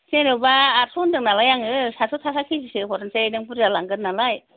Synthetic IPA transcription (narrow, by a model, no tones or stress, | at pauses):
senɯbaːɾsʰɔndɯŋnalajaŋɯsasʰɔtʰakʰakʰizisɯkɔɾɯnsadɯŋpɯɾzalaŋɡɯɾnalaj